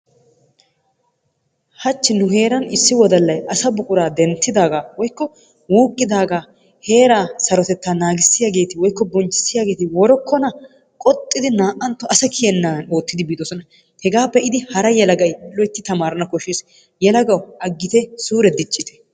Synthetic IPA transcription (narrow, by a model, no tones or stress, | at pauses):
hɐt͡ʃːɪnʊɦe̞ːɾɐnɪsːɪwɔd̪ɐlːɐjɐsɐbʊkʼʊɾaːd̪ɛnt̪ːɪd̪aːɡaːwɔjkːɔ | wuːkʼːɪd̪aːɡaː | heːɾaːsɐɾɔt̪ɛt̪ːanaːɡɪsːɪjaːɡe̞ːt̪ɪwɔjkːɔbɔnt͡ʃːɪ̥sːɪjaːɡe̞ːt̪ɪwɔɾɔkːɔnɐ | kʼɔt̪ʼːɪd̪ɪnaːʔɐnt̪ːɔʔɐsɐkʰɪjɛnːaːno̞ːt̪ːɪd̪ɪbiːd̪ɔsɔnɐ | hɛɡaːpːɛɪd̪ɪhɐɾɐjɛlɐɡɐjlɔjt̪ːɪt̪ɐmaːɾɐnɐkɔʃes | jɛlɐɡɐwʔɐɡːɪt̪ɛsuːɾɛd̪ɪt͡ʃʼːɪt̪ɛ̥